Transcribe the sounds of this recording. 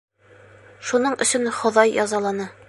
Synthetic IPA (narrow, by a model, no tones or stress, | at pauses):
ʃunɤɴɵ̰̆sɵnχŏðɑjjɒzɑlˠɑnɤ